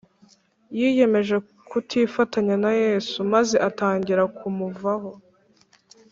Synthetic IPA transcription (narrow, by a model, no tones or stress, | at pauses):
jiːje̞me̞ʒe̞ | kʰutʰiːfataɲanaje̞ːsumaze̞ʔataːɲɟiɾakumuvaɦo̞